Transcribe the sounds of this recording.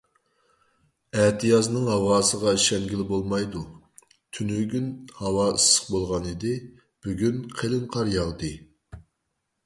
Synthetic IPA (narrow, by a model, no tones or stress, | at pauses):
æht̪ʰɨjɑznɨŋɦɑwɑːsəʁɑʃɛŋɡʲilɪbolˠmɑjd̪u | t̪ʰynyɡʲynhɑwɑɨsə̥q̚bolˠʁɑnid̪ɪ | b̥yɡʲynqʰelɨnqʰɑɾjɑʁd̪ɨ